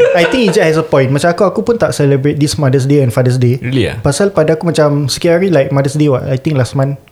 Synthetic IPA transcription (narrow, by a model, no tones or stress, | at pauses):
ajt̪ĩŋid͡ʒɛhɛs̬əpɔ̃j̃nmat͡ʃamakuakupunt̪aʔsɛləbɹet̪̚dismadəs̬deɛ̃nfadəs̬deḭpasalpadaakumat͡ʃamskiaɹilajk̚madəsdewɔtajt̪ĩŋlastmãn